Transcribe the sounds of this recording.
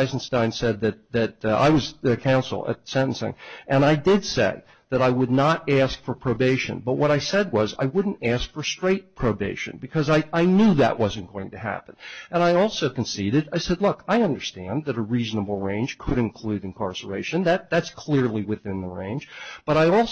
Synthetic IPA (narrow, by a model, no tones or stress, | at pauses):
ɪzn̩stãɪ̃nsɛd̪̚ðɨt̪̚ðɨt̚a̰ɪwʌzɨkʰãʊ̃nsl̩ˠə̰tsɛ̃nn̩sɪ̰̃ŋʔɨ̃naɪdɪdsḛɪ | ðɨɾaɪwədⁿnəɾæskfə˞pʰɹ̥oʊbeɪʃɨ̰̃nbʌt̚wʔʌɾaɪsɛd̚wʌza̰ɪwʊdⁿn̩tæskfə˞stɹ̥eɪt̚pʰɹ̥oʊbeɪʃɨ̰̃nbɨkʰʌzaɪʔaɪnjuðɨ̰ʔwʌz̃n̩ɡ̥oʊɪ̃ŋtɨɦæ̰pə̃nʔɨ̃naɪɔlˠsoʊkɨ̃n̩siɾɨɾaɪsɛdˡlʊkʰaɪʌ̃ndə˞stæ̃nðɨɾəɹiznəbl̩ˠɹẽɪ̃nʒ̥kʰɨɾɨ̃nkʰl̥ʉɾɨ̃nkʰɑ̰ɹsə˞eɪʃɨ̃nðæt̪̚ðætskʰl̥ɪɹlˠiwɨθɪ̃nðəɹḛ̃ɪ̃nʒ̥b̥ʌɾaɪɔlˠ